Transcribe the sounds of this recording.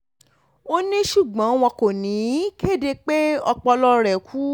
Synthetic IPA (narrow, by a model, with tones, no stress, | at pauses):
o˦nĩ˦ʃu˦˨ɡ͡bɔ̃˨˦w̃ɔ̃˧ko˨nĩ˨˦ke˦˨de˧k͡pe˦ɔ˧k͡pɔ˧lɔ˧ɾɛ˨kʰu˦